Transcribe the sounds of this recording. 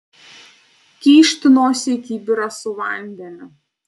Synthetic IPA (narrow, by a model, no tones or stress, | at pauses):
kʲiːʃʲt̪ʲɪnoːsʲɪkʲiːbʲɪɾɐsʊʋɐˑnʲd̪ʲɛnʲʊ